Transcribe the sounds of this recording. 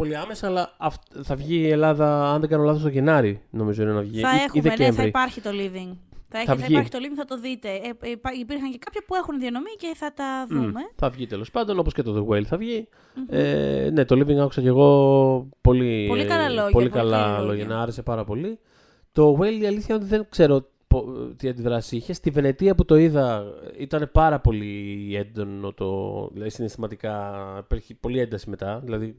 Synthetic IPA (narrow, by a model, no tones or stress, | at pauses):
po̞liɐme̞sɐːlɐɐfθɐvʝie̞lɐðɐɐnðe̞ɡɐno̞lɐθost̪oʝe̞nɐɾino̞mizo̞inenɐvʝiɐxiðecemɾipɐɾçit̪oliviŋθɐeθɐviiçit̪oliviŋθɐt̪o̞ðit̪e̞ɐipiɾxɐɲcekɐpçɐpue̞xunðiɐno̞mice̞θɐt̪ɐðume̞θɐvʝit̪e̞lo̞spɐnd̪o̞no̞poscet̪o̞ðeɣwelθɐvʝi | ḛne̞t̪o̞liviŋɡɐku̥sɐce̞ɣo̞po̞lioliɐlɐlopo̞likɐlɐlo̞ʝɐnɐɐɾese̞pɐɾɐpo̞li | t̪o̞ɣweliɐliθçɐo̞t̪̬iðe̞ŋkse̞ɾo̞ | pot̪iɐnd̪iðɾɐsiiçe̞st̪ive̞ne̞t̪iɐput̪o̞iðɐit̪ɐne̞pɐɾɐpo̞lie̞nd̪o̞no̞t̪o̰ðḭlɐðisinest̪imɐt̪ikɐipeɾçipo̞lie̞nd̪ɐsime̞t̪ɐðilɐði